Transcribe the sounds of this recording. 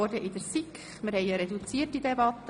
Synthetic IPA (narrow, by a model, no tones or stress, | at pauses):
ɔrdəʔɪdəɾsikχmɪɾhɛɪɑɾɛdut͡siətːidɛbɑt̪ːə